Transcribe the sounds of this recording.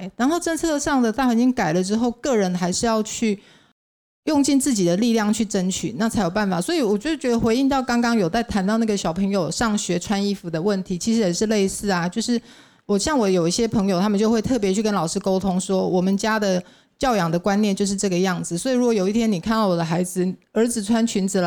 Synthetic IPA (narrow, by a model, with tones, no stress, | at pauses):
ɻa˧˦nxo˥˩ʊʈ͡ʂə˥nt͡sʰɤ˥˧ʂɑ˥˩ŋd̪ə˩t̪a˥˩xa˨˥˩t͡ɕi˦˥ŋka˨˩ɪlə˦ʈ͡ʂɻ̩˥xo˥˧ʊkɤ˥˩ɻə˧˦nxa˧˥ɪʂɻ̩˥˧jɑ˥˧ʊt͡ɕʰy˥˩ | jʊ˥˧ŋt͡ɕi˥˧nt͡sɹ̩˥˩t͡ɕi˨˩d̪ə˦li˥˧ljɑ˥˩ŋt͡ɕʰy˥˩ʈ͡ʂə˥nt͡ɕʰy̰˨˩˦na˥˩t͡sʰa˧˥ɪjo˨˩ʊpa˥˩nfa˨˩swɔ˧˥i˨˦wɔ˨˩t͡ɕjo˥˧ʂ̩˥˩t͡ɕɥɛ˧˥d̪ə˧xwe˧˥ɪi˥˧nt̪ɑ˥˩ʊkɑ˥ŋkɑ˥ŋjo˨ʊt͡sa˥˩ɪt̪ʰa˧˥nt̪ɑ˥˧ʊna˥˩ɡə˩ɕjɑ˨˩ʊpʰɤ˧˥ŋjo˨˩ʊʂɑ˥˩ŋɕɥɛ˧˥ʈ͡ʂʰwa˥ni˥˩fu˨˩d̪ə˧wə˥˩nt̪ʰi˧˥t͡ɕʰi˧˥ʂɻ̩˧˥jɛ˨˩ʂɻ̩˥˧le˥˧ɪsɹ̩˥˩a˩t͡ɕjo˥˧ʊʂɻ̩˥˩ | wɔ˨˩ɕjɑ˥˩ŋwɔ˨˦jo˨˩ʊi˥˩ɕjɛ˥pʰɤ˧˥ŋjo˨˩ʊt̪ʰa˥mə˨t͡ɕo˥˧ʊxwe˥˧ɪt̪ʰɤ˥˩p̬jɛ˧˦t͡ɕʰy˥˩kə˦˥nlɑ˨˩ʊʂɻ̩˥ko˥ʊt̪ʰʊ˥ŋswɔ˥wɔ˨˩mə˦nt͡ɕja˥d̪ə˨ | t͡ɕjɑ˥˩ʊjɑ˨˩ŋd̪ə˩kwa˥nnjɛ˥˧nt͡ɕjo˥˧ʊʂɻ̩˥˧ʈ͡ʂɤ˥˩ɡə˩jɑ˥˩ŋd͡zɹ̩˩swɔ˧˥i˨˩ɻu˥kwɔ˨˩jo˨ʊi˥˩t̪ʰjɛ˥ni˨˩kʰa˥nt̪ɑ˥˩ʊwɔ˨˩d̪ə˦xa˧˥ɪd͡zɹ̩˨ə˞˧˥d͡zɹ̩˨˩ʈ͡ʂʰwa˥nt͡ɕʰy˧˥nd͡z̩˨˩l